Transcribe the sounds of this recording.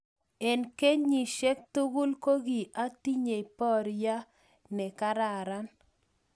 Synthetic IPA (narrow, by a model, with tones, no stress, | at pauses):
e˨nke˦ɲi˨ʃe˦k̚t̪u˦ɡu˦lko˦ɡi˨ʔa˦t̪i˦ɲe˨i˨pɔ˦ɾja˦ | nɛ˨ka˦ɾa˨ɾa˦n